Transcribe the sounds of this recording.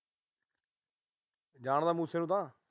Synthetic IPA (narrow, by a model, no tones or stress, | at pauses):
d͡ʒaːɳd̪aːmũːseːnũːt̪ãː